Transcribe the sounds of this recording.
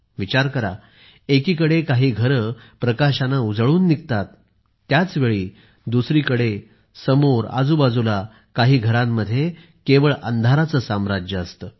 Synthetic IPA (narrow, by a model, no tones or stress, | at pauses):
ʋit͡ɕaɾkəɾa̰ | ekiːkəɽekaɦiːɡʱəɾəpɾəkaɕanaud͡zəɭuːnːikt̪at̪ː | jat͡sʋeɭiː | d̪usɾiːkəɽe | səmoɾa̰d͡zubad͡zula | kaɦiːɡʱəɾãmːəd̪ʱːje | keʋəɭə̰nd̪ʱaɾat͡səːsamɾad͡ʑjəəst̪ə